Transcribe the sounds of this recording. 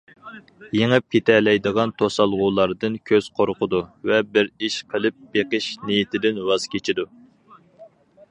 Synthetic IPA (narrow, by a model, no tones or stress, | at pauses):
jeŋɪp̚kʲet̪ʰɛlɛjd̪əʁɑnt̪ʰosɑlˠʁʊlˠɑɾd̪ɨnkʲʰøz̥qʰoɾqʰʊd̪uvɛbɪɾiʃqʰəlˠɨp̚b̥eqəʃnijit̪ʰɪd̪ɪnwɑz̥kʲet͡ʃʰid̪u